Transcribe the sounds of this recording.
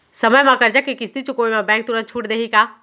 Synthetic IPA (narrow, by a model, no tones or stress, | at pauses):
sɐməjmãkɐɾd͡ʒakikɪsʰd̪it͡ʃʊkoimãbɛ̃ːŋk̚t̪ʊɾə̃n̚t͡ʃʰuːʈd̪eːɦikaː